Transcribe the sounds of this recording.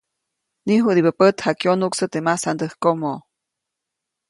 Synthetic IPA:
niɦuʔd̪ibəpət̪hakjonuksət̪emasand̪əhkomoʔ

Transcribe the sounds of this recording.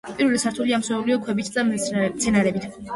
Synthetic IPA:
pʼiɾvɛlisaɾt̪ʰuliamswɛuliɔkʰwɛbit̪ʰd̪amt̪sʰɛnaɾɛbit̪ʰ

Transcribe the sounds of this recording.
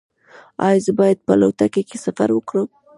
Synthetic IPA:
ɑ̰jzəbɑjad̪̚pəlowt̪akekesafa̰ɾwəkɽəm

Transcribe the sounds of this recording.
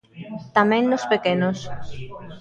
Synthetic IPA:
t̪amɛ̃ŋnospekenos

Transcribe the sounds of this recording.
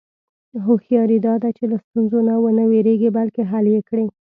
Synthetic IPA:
ɦoxjɑɾid̪ɑd̪at͡ʃelast̪unzonawənəweɾeɡibalkeɦaljekɽe

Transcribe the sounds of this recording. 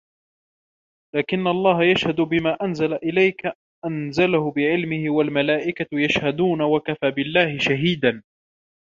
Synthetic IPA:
laːkɪnːaʔɑlˤːɑːɦajaʃhad̪ʊbɪmaːʔanzalaʔɪlajka | ʔanzalahʊbɪʕɪlmɪhɪwalmalaːʔɪkajaʃhad̪uːnawakafaːbɪlːaːhɪʃaɦiːd̪an

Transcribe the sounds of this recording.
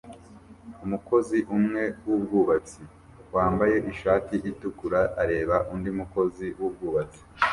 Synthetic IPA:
umuko̞ziʔumŋe̞wubɡuːβat͡si | waːmbaje̞ʔiʃaːtiʔitukuɾaʔːɾe̞ːβaʔundimuko̞ziwub̚ɡuːβat͡si̥

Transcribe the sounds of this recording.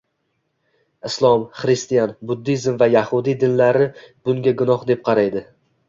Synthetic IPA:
ɪslˠɒmχɾɪst̪ijanbʊd̪ːizmvajahʊd̪ijd̪ɪnlaɾɪb̥ʊŋɡʲaɡʊnɒhd̪e̞p̚qʰɑɾajd̪ɪ

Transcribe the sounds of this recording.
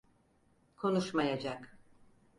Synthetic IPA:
kʰo̞nuʃmajad͡ʒak

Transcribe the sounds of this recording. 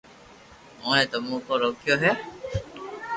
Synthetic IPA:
oːnet̪omuːkoɾokːijoɦe

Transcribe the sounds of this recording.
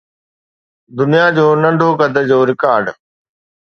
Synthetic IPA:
d̪ʊnijad͡ʑoːnɐ̃ɳɖʱoːɡəd̪ʱəd͡ʑoːɾɪkaːɾɖ

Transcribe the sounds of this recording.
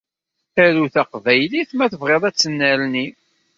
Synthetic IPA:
æɾuθæqvæjliθmæθəvʁeðˤæt͡sːənːæɾni

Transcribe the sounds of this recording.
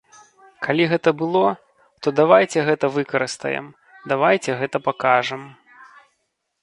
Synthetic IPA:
kʰalʲiɣɛt̪ɐbɨlˠɔ | t̪ɔd̪avajt͡sʲɛɣɛt̪ɐvɨkɐɾɨst̪ɐ̰jɛ̰m | d̪avajt͡sʲɛɣɛt̪ɐpakaʐɐm

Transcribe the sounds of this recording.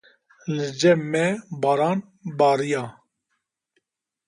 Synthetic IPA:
lɨd͡ʒɛmɛbaːɾaːn | baːɾijaː

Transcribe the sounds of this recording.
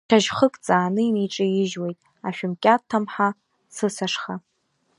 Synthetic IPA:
ʃʰaʒχəkʼt͡sʼaːnɨimiʈ͡ʂʼɨjɪʒwe̞jtʼ | aʃᶣʊmkʲʼatʰːamħa | sɨsaʂχa

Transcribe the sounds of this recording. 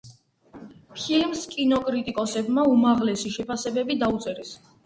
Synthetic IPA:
pʰilmskʼinɔkʼɾit̪ʼikʼɔsɛbmaumaʁlɛsiʃɛpʰasɛbɛbid̪aut̪sʼɛɾɛs

